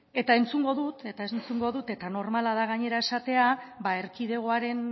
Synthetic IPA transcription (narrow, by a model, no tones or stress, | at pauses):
e̞t̪ae̞nt͡suŋɡo̞ðut̪e̞t̪aent͡suŋɡo̞ðut̪e̞t̪ano̞ɾmalaðaɣ̞aɲe̞ɾae̞sat̪e̞aβae̞ɾkiðe̞ɣ̞o̞aɾe̞n